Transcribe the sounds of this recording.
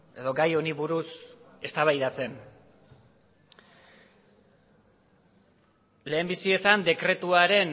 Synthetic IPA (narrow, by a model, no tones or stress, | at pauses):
e̞ðo̞ɡajo̞niβuɾuse̞st̪aβajðat͡se̞n | le̞ːmbisie̞sand̪e̞kɾe̞t̪uaɾe̞n